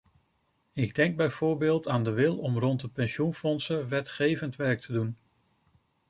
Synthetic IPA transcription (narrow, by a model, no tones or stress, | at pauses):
ɪɡ̚dɛŋɡ̚bɛjv̥ʊːɹbɪːlˠtaːndəʋɪlˠɔmrɔntdəpɛnʃunfɔnsəʋɛtχejvəntʋɛɹk̚tʰədun